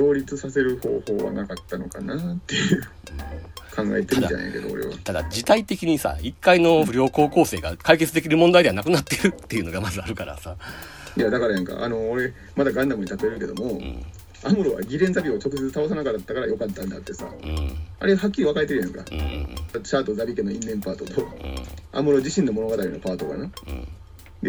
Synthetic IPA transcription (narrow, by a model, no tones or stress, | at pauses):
o̞ːɾʲit͡sɨsase̞ɾɯ̟ho̞̰ːho̞ːβa̰nakat̪ːano̞kanat̪ːe̞jɯ | ɯ̃kʰãŋɡa̰et̪emʲit̪a̰na̰ke̞d̪oo̰ɾe̞̰βa̰t̪ad̪a̰d͡ʑit̪ait̪e̞kʲiɲ̟isa̰ikːaino̞ɯ̟ɾʲo̞ːko̞ːko̞ːse̞ːɡakaike̞t͡sɨd̪e̞kʲiɾɯ̟mõ̞nd̪aid̪eanakɯ̟nat̪ːe̞ɾɯ̟t̪ːe̞jɯ̟no̞ɡamazɨaɾɯ̟kaɾa̰sa | jad̪akaɾajãŋka̰ʔa̰no̞ːɾe̞ | mad̪aɡãnd̪amɯ̟ɲ̟it̪at̪ɯeɾɯ̟ke̞d̪omo̞̰ | amɯ̟ɾo̞βa̰ɡʲiɾẽ̞nzabʲiot͡ɕo̞kɯ̟se̞t͡sɨ̥t̪aos̬anakat̪ːakaɾajo̞kat̪ːãnd̪a̰t̪ːe̞sa̰ɯ̰̃a̰ɾe̞hakʲːiiβakaet̪e̞ɾɯ̟jãŋka̰ɯ̰̃aɕaːt̪o̞zabʲikeno̞ĩnːẽ̞mpaːt̪o̞t̪o̰a̰mɯ̟ɾo̞ʑiɕĩnːo̞mo̞no̞ɡat̪aɾʲino̰paːt̪o̞ka̰nã̰ː | d̪e